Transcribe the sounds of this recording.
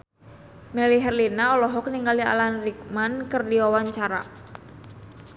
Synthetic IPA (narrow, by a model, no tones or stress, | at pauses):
mɛliɦɛrlinaɔlɔɦɔk̚niŋɡalia̰lanrik̚mankərdiwawaɲt͡ʃaɾa̰